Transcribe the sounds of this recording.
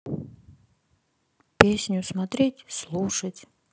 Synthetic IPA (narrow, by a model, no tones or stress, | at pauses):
pʲesʲnʲʊsmat̪ɾʲetʲslˠuʂətʲ